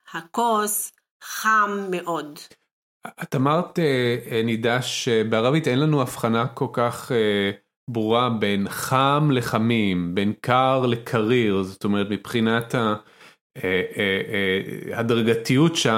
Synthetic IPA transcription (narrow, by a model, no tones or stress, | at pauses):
hakos | χamːeʔo̞d | at̪amaʁtenidaʃebeaʁavit̪enlanuafχanako̞lkaχe | bʁuʁabe̞nχamle̞χamimbe̞nkaʁle̞kʰaʁiʁzot̪o̞me̞ʁ̞et̪mipχinatha | e | hadʁaɡatijutʃa